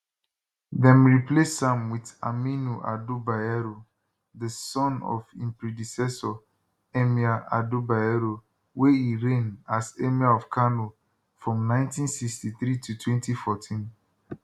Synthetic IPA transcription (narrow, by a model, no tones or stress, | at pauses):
dɛ̃mɹiplesãmwita̰minuʔa̰dubaɛɹo | ðəsɔ̃nɔ̰fḭ̃mpɹidisɛsɔ | emiaʔa̰dubaɛɹo | weiɹẽnasemiaɔfkʰano | fɹɔ̃mnãɪ̃ntĩnsikstiθɾitʰutwɛ̃ntifɔtʰĩn